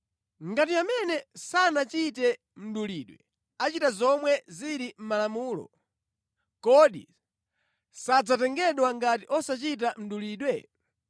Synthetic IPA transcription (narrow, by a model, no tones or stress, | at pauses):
ŋɡat̬iamɛnɛsanat͡ʃitɛ | m̩ɗuliːɗwɛ | at͡ʃitazɔmwɛziɾim̩malamuːlɔ̰ | kɔɗḭ | sad͡zatɛŋɡɛɗwaŋɡatiʔɔsat͡ʃit̬am̩ɗuliːɗwɛ